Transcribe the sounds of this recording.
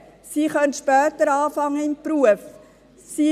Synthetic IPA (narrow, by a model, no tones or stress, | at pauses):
siːχœntʃpœːtəɾɑːfɑŋːəɪmpruəf | si